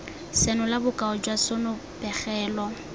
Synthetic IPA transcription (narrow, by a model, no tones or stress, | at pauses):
sɛnʊlabʊkʼaʊd͡ʒwasʊnʊ | pʼɛχɛːlɔ